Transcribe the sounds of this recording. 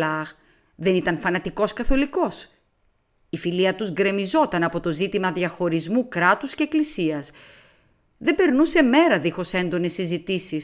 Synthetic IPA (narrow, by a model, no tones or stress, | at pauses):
ɐɣ | ðe̞nit̪ɐnfɐnɐt̪iko̞skɐθo̞liko̞s | ifiliɐt̪uzɡɾe̞mizo̞t̪ɐnɐpo̞t̪o̞zit̪imɐðʝɐxo̞ɾizmukɾɐt̪usce̞ːklisiɐs | ðe̞be̞ɾnuse̞me̞ɾɐðixo̞se̞nd̪o̞ne̞sːizit̪isis